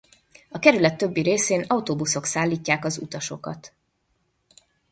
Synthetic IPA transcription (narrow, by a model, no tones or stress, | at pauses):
ɒkɛɾylɛt̪ːø̞bːiɾeːseːnɒut̪oːbuso̞ksaːlːiːcːaːkɒzṵt̪ɒʃo̞kɒ̰t̪